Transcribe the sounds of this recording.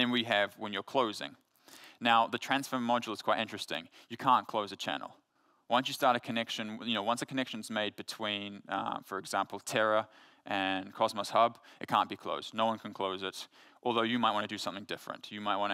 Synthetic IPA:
ɨ̃nwiɨvwə̃njə˞kʰl̥oʊzɪ̰̃ŋ | naʊðɨtʰɹ̥æ̃nsfə˞mɑd͡ʒl̩ˠəz̥kʰw̥aɪɾɪ̃nt͡ʃɹ̥ɨstɪ̰̃ŋjɨkʰæ̃nkʰl̥oʊzɨt͡ʃʰæ̰̃nl̩ˠ | wʌ̃nsjɨstɑɹɾɨkʰɨnɛkʃɨ̃njɨnoʊwʌ̃nsðɨkʰɨnɛkʃɨ̃n̩zmeɪd̚bɨtʰw̥ĩnʌ̰fə˞ɨɡzæ̃mpl̩ˠtʰɛɹə | ʔɨ̃nkʰɑzməshʌbɨ̰t̚kʰæ̰̃nb̥ikʰl̥o̰ʊsnoʊwʌ̃nkʰnkʰl̥oʊzɪɾʔɔlˠðoʊjɨmaɪt̚wɑ̃ñɨdɨsʌ̃mθɪ̃ŋdɪfɹɨ̰̃ntjɨmaɪt̚wɑ̃ñ

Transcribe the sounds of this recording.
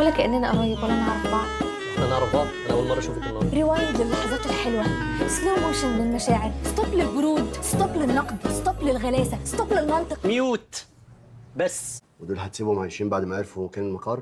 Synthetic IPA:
ʔuːlːækʔɪnːʔænæʔæwæjːækulʔænɑʕɾˤɑfbɑʕd̪ˤ | ʔʔænɑʕɾˤɑfbɑʕd̪ˤʔænʔæwælmɑrˤːɑʃuːft̪lmɑˤɾɪwæːjælɪlːɑħɑzˤæːt̪ɪlħelwæsloːmoːʃɪnlɪlmæʃæːʕeɾst̪ˤɑblɪlbʊɾuːd̪st̪ˤɑblɪnːɑqd̪st̪ɑblɪlɣælæːsæst̪ˤɑblɪlmɑnt̪ˤɨqmjuːt̪ | bæsːwɪd̪uːlħat̪siːbumʕajʃiːmbaʕd̪mæʕeɾfukæːnɪlmɑqɑrˤ

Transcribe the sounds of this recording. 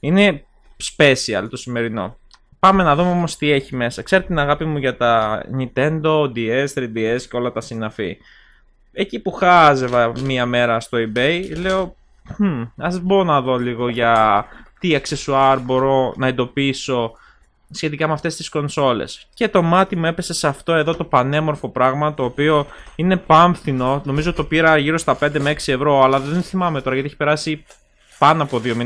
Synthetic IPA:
ine̞ | spe̞siɐ̰lt̪o̞sime̞ɾino̞̰ | pɐme̞nɐðumeo̞mo̞st̪ie̞çime̞sɐkse̞ɾet̪inɐɣɐpimuʝɐt̪ɐnint̪e̞nd̪o̞d̪ie̞st̪ɾid̪ie̞sceo̞lɐt̪ɐsinɐfḭ | e̞cipuxɐze̞vɐmiɐme̞ɾɐst̪o̞ibejle̞o̞ | ɐzboɾonɐðo̞liɣo̞ʝɐt̪iɐksesuɐɾbo̞ɾo̞nɐend̪o̞piso̞ | sçe̞t̪ikɐmeɐft̪e̞st̪i̥sko̞nso̞lḛsce̞t̪o̞mɐt̪imue̞pe̞se̞sɐft̪o̞e̞ðo̞t̪o̞pɐne̞mo̞ɾfo̞pɾɐɣmɐt̪o̞ːpio̞ine̞pɐɱθino̞no̞mizot̪opiɾɐʝiɾost̪ɐpe̞nd̪emeeksie̞vɾo̞ɐlɐðe̞nθimɐmet̪o̞ɾɐjʝɐt̪ieçi̥pe̞ɾɐsi | pɐnoɐpo̞ðio̞mi

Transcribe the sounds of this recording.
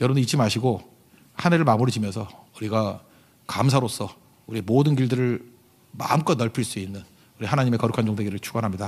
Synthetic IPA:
jʌɾʌbɯnit͡ɕ͈ʰimaɕʰiɡo | haneɾɯɭmamuɾid͡ʑimjʌnsʰʌuɾiɡa | kamsʰaɾos͈ʰʌ | uɾiemodɯnɡiɭdɯɾɯɭ | ma̰mk͈ʌnʌɭpʰiɭs͈uinːɯn | uɾiɦanaɲime̞kʌɾukʰand͡ʑoŋdeɡiɾɯɭt͡ɕʰuɡʌnɦamɲida

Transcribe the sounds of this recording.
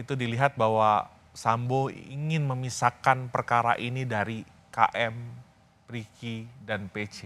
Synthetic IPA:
it̪udiliɦat̪̚bawa | samboḭŋɪnməmisakanpərkaɾa̰ʔinidaɾi | ka̰ʔɛm | pɾikidanpet͡ʃe

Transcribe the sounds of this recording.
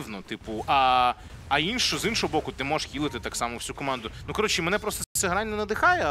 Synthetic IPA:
wnɔt̪ɪpʊʔɐː | inʃɔzinʃɔɦɔbɔkʊt̪ɪmɔʒʃkʲilˠɪt̪ɪt̪ɑksɑmɔwsʲukɔmɑnd̪ʊnukɔɾɔt͡ʃɪmɛnɛpɾɔst̪ɔsɛɦɾɑnʲnɐnɐd̪ɪxɑjɛ

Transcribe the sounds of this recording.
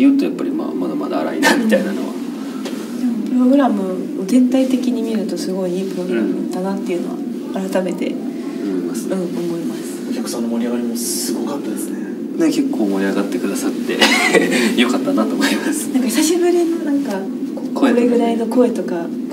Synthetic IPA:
jɯ̟ːt̪o̞japːaɾʲima̰mad̪amad̪aːɾa̰inamit̪ainano̞̰βa̰ | d̪e̞mopɯ̟ɾo̞ɡɯ̟ɾamɯ̟ | o̞zẽ̞nt̪ait̪e̞kʲiɲ̟imʲiɾɯ̟t̪o̞sɨɡo̞iiːpɯɾo̞ɡɯ̟ɾamɯt̪ːanat̪ːe̞iɯ̟no̞βa̰ː | ɾɯt̪ame̞t̪e̞̰ | oimasɨ̥ɯ̟̃ːomɡo̞imasɨ̥okʲakɯ̟̥sãnːomoɾʲiaɡaɾʲimo̞sɨɡo̞kat̪ːad̪esɨne | neke̞kːo̞ːmo̞iaɡat̪ːe̞kɯ̟d̪asat̪ːe̞̰ | jo̞kat̪ːanat̪oːmoimasɨ̥nãŋkaçi̥saɕibɯ̟ɾʲino̞nãŋka | kokːɾeɡɯ̟ɾaino̞ko̞e̞t̪o̞ka

